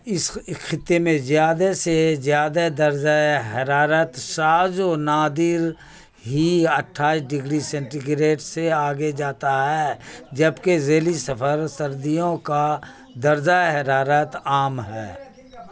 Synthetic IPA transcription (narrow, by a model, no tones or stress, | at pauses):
ɪskʰɪt̪ːemẽzjaːd̪asezjaːd̪ad̪əɾd͡ʒaɦɐɾaːɾət̪saːd͡ʒoːnaːd̪ɪɾ | ɦiəʈʰːaːiʃɖɪɡɾisɛ̃ɳʈiɡɾeːʈseaːɡed͡ʒaːt̪aɦɛːd͡ʒəbkezeːlisɐfʰəɾsəɾd̪ijõka | d̪ɐɾd͡ʒaɦɐɾaːɾət̪aːmɦɛ̰ː